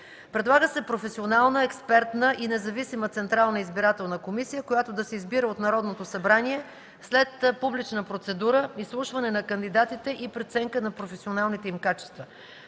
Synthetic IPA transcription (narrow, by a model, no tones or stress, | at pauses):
pɾɛd̪lˠaɡəsɛpɾofɛsionalˠnəɛkspɛɾt̪nəʔinɛzɐvisimət̪sɛnt̪ɾalˠnəizbiɾat̪ɛlˠnəkomisijəkojat̪od̪ɐsɛizbiɾəot̪nɐɾɔd̪not̪osɐbɾaniɛ | slɛt̪publit͡ʃnəpɾot̪sɛd̪uɾəislˠuʃvɐnɛnɐkənd̪id̪at̪it̪ɛʔipɾɛt̪sɛŋkənɐpɾofɛsionalˠnit̪ɛimkat͡ʃɛ̥st̪və